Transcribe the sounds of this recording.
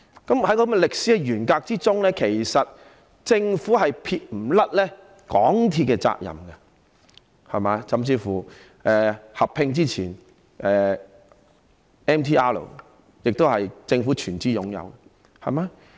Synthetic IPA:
kɐ˨˥mhɐ˨˧˥jkɔː˧kmɛ˧lɪ˨k̚siː˨˥ɛ˧jyː˨˩nkaː˧k̚t͡siː˥t͡sʊ˥ŋlɛː˥kʰe˨˩jsɐ˨t̚ | t͡sɪ˧ŋfuː˨˥hɐ˨jpʰiː˧t̚m̩˨˩lɐ˥t̚lɛ˥ | kɔː˨˥ŋt̪ʰiː˧t̚kːɛ˧t͡sa̰ː˧k̚jɐ̰˨˩mɡɐ˧ | hɐ˨jmaː˨˥sɐ˨mt͡siː˧fuː˨˩ | ʔɛː˨hɐ˨pʰːɪ˧ŋt͡siː˥t͡sʰiː˨˩n | ʔɛː˨ | ɛː˥mt̪ʰiː˥ʔaː˥lo̰˨˩ | jɪ˨k̚t̪o˥whɐ˨jt͡sɪ˧ŋfu˨˥t͡ʃʰyː˨˩nt͡siː˥jʊ˨˥ŋjɐ̰˧w | hɐ̰˨˩ma˨˧˦

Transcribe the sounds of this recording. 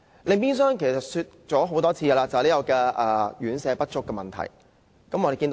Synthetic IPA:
le˨˧piː˥ns̬œː˥ŋkʰe˨˩sɐ˨t̚sy˧t̚t͡ʃɔː˨˥ɦo˨˥wt̪ɔː˥t͡sʰiː˧ja˧laː˧t͡sɐ˨liː˥jɐ˨˩wkɛː˧ʔɐː˧jyː˨˥nsɛː˨˧pɐ˥t̚t͡ʃʊ˥kːɛː˧mɐ˨nt̪ʰɐ̰˨˩j | kɐ˨˥mɔː˧d̪e˨kiː˧t̪

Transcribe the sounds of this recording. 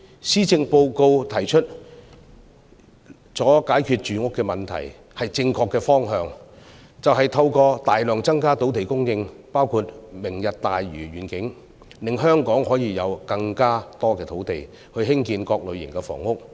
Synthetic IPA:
siː˥t͡sɪ˧ŋpo˧wko˧wt̪ʰɐ˨˩jt͡ʃʰɵ˥t̚ | t͡sɔː˨˥kaː˨˥jkʰyː˧t̚t͡ʃyː˨ŋʊ˥kːɛː˧mɐ˨nt̪ʰɐ̰˨˩j | hɐ˨jt͡sɪ˧ŋkʰɔː˧kːɛː˧fɔː˥ŋɦœː˨˧ŋ | t͡sɐ˨wɦɐ˨jt̪ʰɐ˧wkɔː˧t̪aː˨jlœː˨ŋt͡sɐ˥ŋkaː˥t̪o˨˥wt̪ʰe˨˩jkʊ˥ŋjɪ˧ŋpaː˥wkʰuː˧t̚mɪ˨˩ŋjɐ˨t̚t̪aː˨jɥyː˨˩ɥyː˨˩nkɪ˨˥ŋ | lɪ˨ŋɦœː˥ŋkɔː˨˥ŋhɔː˨˥jiː˨˧jɐ˨˧wkɐ˧ŋkaː˥t̪ɔː˥kɛː˧t̪ʰo˨˥wt̪e˨j | hɵ˧ɥɦɪ˥ŋkiː˧nkɔː˧k̚lɵ˨˧ɥjɪ˨˩ŋkɛː˧fɔ̰ː˨˩ŋʊ˥k̚

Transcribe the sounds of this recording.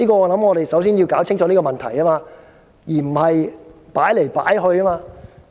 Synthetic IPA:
iː˥kɔː˧ɔː˨˧lɐ˨˥mŋɔː˨˧ɾe˨jsɐ˨˥ws̬iː˥nji˧wkaː˨˥wt͡sʰɪ˥ŋt͡ʃɔ˨˥niː˥kɔ˧mɐ˨nt̪ʰɐ˨˩jaː˥maː˧ | jiː˨˩m̩˨˩hɐ˨jpaː˨˥jle˨˩jpa̰ː˨˥jɦɵ˧ɥkaː˥maː˧

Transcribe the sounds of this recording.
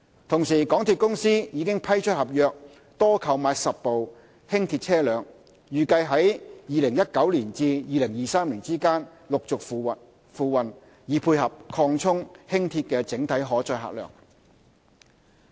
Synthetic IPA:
t̪ʰʊ˨˩ŋsiː˨˩kɔː˨˥ŋt̪ʰiː˧t̚kʊ˥ŋsiː˥jiː˨˧kɪ˥ŋpʰɐ˥jt͡ʃʰɵ˥t̚hɐ˨p̚jœː˨˧k̚ | t̪ɔː˥kʰɐ˨˧wmaː˧jsɐ˨p̚po˨w | hɪ˥ŋt̪ʰi˧t̚t͡sʰɛː˥lœː˨˧ŋ | jyː˨kɐ˧jɦɐ˨˥jjiː˨˧lɪ˨˩ŋjɐ˥t̚kɐ˨˥wliː˨˩nt͡siː˧jiː˨˧lɪ˨˩ŋjiː˨saː˥mliː˨˩nt͡siː˥kaː˥n | lʊ˨k̚t͡sʊ˨k̚ː | fuː˨˧wɐ˨n | jiː˨˥pʰuː˧jhɐ˨p̚kʰɔː˧ŋt͡sʰʊ˥ŋhɪ˥ŋt̪ʰiː˧t̚kɛː˧t͡sɪ˨˥ŋt̪ʰɐ˨˥jɦɔː˨˥t͡sɔː˧jɦa̰ː˨˩lœ̰ː˨˩ŋ

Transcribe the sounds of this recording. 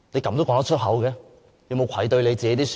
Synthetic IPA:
ne˨˧jkɐ˧˥mt̪o˥wkɔː˧˥t̪ɐ˥t͡ʃʰɵ˥t̚ɦɐ˨˥wkɛː˧ | le˨˧wmo˨˧wkʷʰɐ˨˩jt̪ɵ˧ɥle˨˧jt͡siː˨ke˧˥t̪i˥s

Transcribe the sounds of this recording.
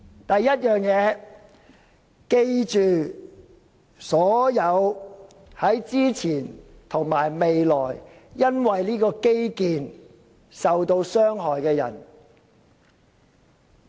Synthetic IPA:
t̪ɐ˨jːɐ˥t̚jœː˨˩ŋjɛː˨˧˥ | ke˧jt͡ʃyː˨ | sɔː˨˥jɐ˨˧w | hɐ˨˥jt͡siː˥t͡sʰiː˨˩nt̪ʰʊ˨˩ŋmaː˨˩jme˨jlɔː˨˩jjɐ˥nwɐ˨jliː˥kɔː˧ke˥jkiː˨˧n | sɐ˨wt̪o˧wsœː˥ŋɦɔː˨jkɛː˧jɐ̰˨˩n

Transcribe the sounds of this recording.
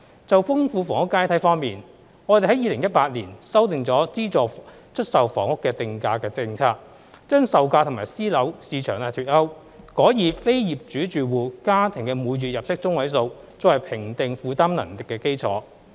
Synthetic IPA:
t͡sɐ˨wfʊ˥ŋfuː˧fɔː˨˩ŋʊ˥kːaː˥jt̪ʰɐ˨˥jfɔː˥ŋmiː˨n | ŋɔː˨˧t̪e˨ɦɐ˨˥jiː˨˧lɪ˨˩ŋjɐ˥t̚paː˧t̚liː˨˩nsɐ˥wt̪ɪ˨ŋt͡sɔː˨˥t͡siː˥t͡sɔː˨ | t͡ʃʰɵ˥t̚sɐ˨wfɔ̰ː˨˩ŋʊ˥kːɛː˧t̪ɪ˧ŋkaː˧kɛː˧t͡sɪ˧ŋt͡sʰaː˧˥k̚ | t͡ʃœː˥ŋsɐ˨wkaː˧t̪ʰʊ˨˩maː˨˩jsiː˥lɐ˨˥wsiː˨˧t͡ʃʰœː˨˩ŋlaː˧t̪ʰyː˧˩t̚hɐ˥w | kɔː˨˥jiː˨˧fe˥jjiː˨p̚t͡ʃyː˨˥t͡ʃyː˨wuː˨˧kaː˥t̪ʰɪ˨˩ŋkɛː˧muː˨˧jyː˨t̚jɐ˨p̚sɪ˥k̚t͡sʊ˥ŋwɐ˨˥js̬o˧w | t͡sʊ˧˥wɐ˨˩jpʰɪ˨˩ŋt̪ɪ˨ŋfuː˨˧t̪aː˥mnɐ̰˨˩nt̪ɪ˨kːɛː˧ke˥jt͡sʰɔ̰ː˨˥

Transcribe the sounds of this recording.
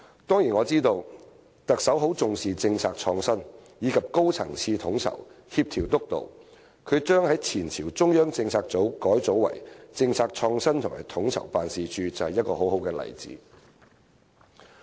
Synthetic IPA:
t̪ɔː˥ŋjiː˨˩nŋɔː˨˧t͡siː˥t̪o˧w | t̪ɐ˨k̚sɐ˨˥wɦo˨˥wt͡sʊ˨ŋsiː˨t͡sɪ˧ŋt͡sʰaː˧k̚t͡ʃʰɔː˧ŋsɐ˥njiː˨˧kʰɐ˨p̚ko˥wt͡sʰɐ̰˨˩ŋt͡sʰiː˧t̪ʰʊ˨˧˥ŋt͡sʰɐ̰˨˩w | hiː˧p̚t̪ʰiː˨˩wt̪ʊ˥k̚t̪o̰˨w | kʰɵ˨˧ɥt͡ʃœː˥ŋhɐ˨˥jt͡sʰiː˨˩nt͡sʰiː˨˩wt͡sʊ˥ŋjœː˥ŋt͡sɪ˧ŋt͡sʰaː˧k̚t͡so˨˥wkɔː˨˥jt͡so˨˥wwɐ̰˨˩jt͡sɪ˧ŋt͡sʰaː˧k̚t͡ʃʰɔː˧ŋsɐ˥nt̪ʰʊ˨˩ŋma̰ː˨˩jt̪ʰʊ˨˥ŋt͡sʰɐ̰˨˩wpaː˨nsiː˨t͡ʃyː˨˧t͡sɐ˨whɐ˨jɐ˥t̚kɔː˧ɦo˨˥wɦo˨˥wkɛː˧lɐ̰˨˩jt͡sḭː˨˥

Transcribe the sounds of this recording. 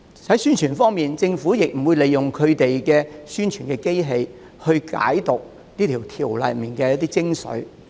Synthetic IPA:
hɐ˨˥jsyː˥nt͡ʃʰyː˨˩nfɔː˥ŋmiː˨nt͡sɪ˧ŋfuː˨˥jɪ˨k̚m̩˨˩wuː˨˧jle˨jːʊ˨˩ŋkʰɵ˨˧ɥt̪e˨jkɛː˧syː˥nt͡ʃʰyː˨˩nkɛː˧ke˥jɦe˧j | hɵ˧ɥka̰ː˨˥jt̪ʊ˨k̚ | niː˥t̪ʰiː˨˩wt̪ʰiː˨˩wlɐ̰˨jmiː˨˩nkɛː˧jɐ˥t̪iː˥t͡sɪ˥ŋsɵ̰˨˥ɥ

